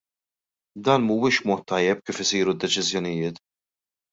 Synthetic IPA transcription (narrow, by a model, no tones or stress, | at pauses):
d̪ɐːnmuːwɪːʃbmɔːt̪ʰːɐjːɛp̚kiːfɪsiːɾud̪ːɛt͡ʃɪzjɔnɪjɪːt̪